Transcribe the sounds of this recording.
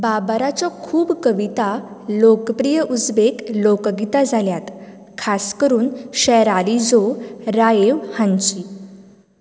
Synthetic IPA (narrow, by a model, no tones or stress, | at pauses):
babəɾat͡ɕjakʰuːbkəʋit̪alokəpɾijəʔud͡zbeklokɡit̪ad͡zʱaljat̪ | kʰaskəɾuːnɕɛjɾalid͡zoɾajeʋhãɲt͡ɕi